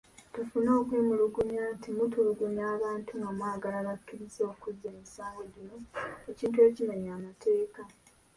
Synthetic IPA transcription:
tufuno̞ːkweːmuluɡuɲantʰimutuluɡuɲaːβaːntuŋɡamwaːɡalalakːiɾiso̞ːkuzeːmisaːwoɟino̞eciːntue̞ːcimaɲaːmatʰe̞ːka

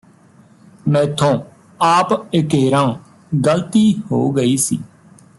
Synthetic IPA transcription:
mɛ̃ːt̪ʰõː | aːpɪkeːɾãː | ɡəlt̪iːho̰ːɡəiːsḭː

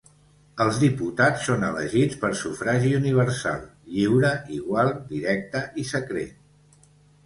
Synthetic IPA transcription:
əlˠzðiput̪at͡sːonələ̰ʒit͡spəɾsufɾaʒiuniβ̞əɾsa̰lˠʎiwɾəʔiɣwalˠd̪iɾɛk̚t̪əʔisəkɾḛt̪

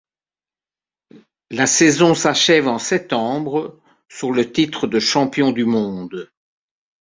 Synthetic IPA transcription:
lasɛzɔ̃saʃɛvɑ̃sɛt̪ɑ̃ːbʁə | syʁlət̪it̪χəd̪əʃɑ̃pjɔ̃d̪ymɔ̃ːd̪

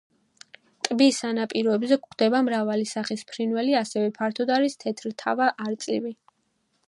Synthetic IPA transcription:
t̪ʼbisanapʼiɾɔɛbzɛkχd̪̥ɛbamɾavalisaχispʰɾinvɛliasɛvɛpʰaɾt̪ʰɔd̪aɾist̪ʰɛt̪ʰɾt̪ʰa̰vaʔaɾt̪sʼlivi

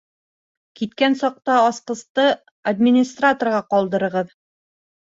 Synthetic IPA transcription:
kit̪kænsɒq̚t̪ɑːsqɤ̆st̪ɤ | ad̪ʲmʲɪnʲɪst̪rat̪orʁɑqɒlˠd̪ɤ̆ɾɤ̆ʁɤð

